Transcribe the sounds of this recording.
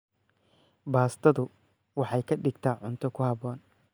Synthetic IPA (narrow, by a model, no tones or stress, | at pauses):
baːst̪ʰɐðʊ | wɑħɑjkʰɐɖɪɡt̪ʰaːʕʊnt̪ʰɔkʰʊhɐβɔːn